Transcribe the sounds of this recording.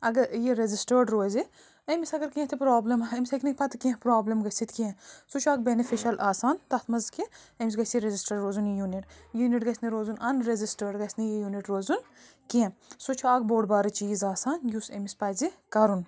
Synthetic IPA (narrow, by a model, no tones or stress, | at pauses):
ɐɡɐɾjiɾezisʈəɾɖɾoːzi | ɐmisɐɡɐɾkiẽt̪ʰipɾaːblɐmɐɐmʲisɐknikʲpɐt̪ɐkĩpɾaːblɐmɡɐsit̪ʰkiẽsut͡ʃʰuaːk̚bʲenifiʃɐlʔaːsaːnt̪ɐt̪ʰmɐzkiɐmʲis̬ɡɐsiɾezisʈɐɾɖɾoːzunjijuːniʈjuːniʈɡɐsʲniɾoːzunɐnɾezisʈəɾɖɡɐsʲnijijuniʈɾoːzun | kiẽsot͡ʃʰuaːkboːɖbaːɾɨt͡ʃiːzaːsaːnjusɐmispɐːzikɐɾun